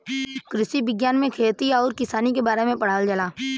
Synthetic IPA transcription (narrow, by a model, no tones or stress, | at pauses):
kɾɪsibɪɡjaːnmẽkʰeːt̪iɔːɾkɪsaːnikebaːɾemẽpəɽ̤aːld͡ʒəlaː